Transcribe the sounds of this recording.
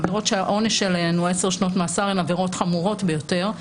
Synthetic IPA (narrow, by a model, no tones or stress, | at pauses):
veʁo̞tʃeaʔo̞neʃelenueseʁʃnotmaːsaʁemaveʁo̞tχamuʁo̞tbejo̞te̞ʁ